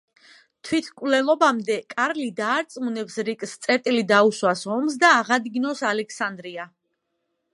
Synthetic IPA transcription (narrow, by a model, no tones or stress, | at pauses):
t̪ʰwit̪ʰkʼvlɛlˠɔbamd̪ɛkʼaɾlid̪aːɾt̪sʼmunɛpsɾikʼst̪sʼɛɾt̪ʼilid̪auswasɔms̬d̪aːʁad̪ɡinɔsalɛkʰsand̪ɾia